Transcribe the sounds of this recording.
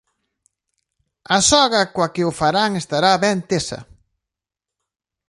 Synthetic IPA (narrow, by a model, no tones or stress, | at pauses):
asɔɣɐkwakɪʊfaɾaŋest̪aɾaβɛnt̪esɐ̰